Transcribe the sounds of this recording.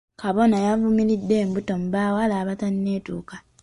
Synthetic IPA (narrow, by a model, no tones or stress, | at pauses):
kaβo̞najavumilidːe̞ːmbuto̞muβaːwalaːβatanine̞ːtṵːka